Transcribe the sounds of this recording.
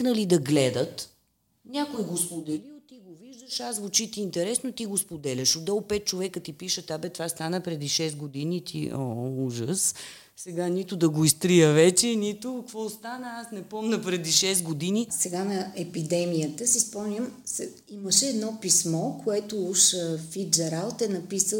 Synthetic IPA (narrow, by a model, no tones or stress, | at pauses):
nəlid̪ɐɡlɛd̪ət̪ | nʲakoiɡospod̪ɛliot̪iɡoviʒd̪əʃasvot͡ʃit̪iːnt̪ɛɾɛsnot̪iɡospod̪ɛlʲɐʃod̪ɔlˠpɛt̪̚t͡ʃovɛkət̪ipiʃət̪abɛt̪vast̪anəpɾɛd̪iʃɛst̪ɡod̪init̪ʰḭɔuʒəs | sɛɡanit̪ʊd̪ɐɡoist̪ɾijəvɛt͡ʃɛnit̪okvɔst̪anəasnɛpɔmnəpɾɛd̪iʃɛsɡod̪inisɛɡanɐɛpid̪ɛmijət̪əsispɔmnʲəmsɛ | iməʃɛːd̪nɔpismɔkoɛt̪ʊuʃfid͡ʒɐɾalˠt̪ɛnɐpisə